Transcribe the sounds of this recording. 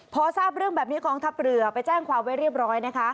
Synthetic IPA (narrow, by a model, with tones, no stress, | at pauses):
pʰɔː˧saː˥˩p̚ɾɯ˥˩əŋbɛː˨˩p̚niː˦˥kɔː˧ŋt̪ʰa˦˥p̚ɾɯ˨˩ɐpa˧jt͡ɕɛː˥˩ŋkʰwaː˧mwa˦˥jɾi˥˩əp̚ɾɔː˦˥jna˦˥kʰa˦˥ʔ